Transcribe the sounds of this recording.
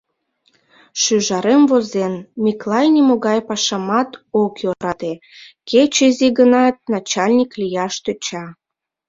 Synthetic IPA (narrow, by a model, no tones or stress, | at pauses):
ʃyʒɑɾemvozenmiklɑjnʲimoɣɑjpɑʃɑmɑt̪okjoɾɑt̪e | ket͡ɕeziɡənɑt̪̚nɑt͡ɕɑlʲnʲiklijɑʃt̪øt͡ɕɑ